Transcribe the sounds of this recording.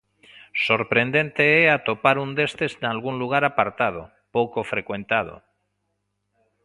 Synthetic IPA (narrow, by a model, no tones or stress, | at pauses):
soɾpɾe̞nd̪e̞nt̪eeat̪opaɾund̪e̞st̪eznalɣuŋluɣ̞aɾapaɾt̪að̞o̰ | powkofɾekwẽ̞nt̪að̞o̰